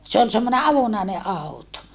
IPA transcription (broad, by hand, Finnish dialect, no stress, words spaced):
se ol semːone ɑʋonɑˑene ʔɑuto